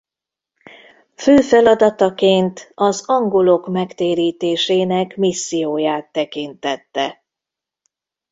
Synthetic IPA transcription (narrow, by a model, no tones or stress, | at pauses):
føːfɛlɒd̪ɒt̪ɒkeːnt̪ɒzɒŋɡolo̞kmɛkt̪eːɾiːt̪eːʃeːnɛkmisːijoːjaːt̪ːɛkint̪ɛt̪ːɛ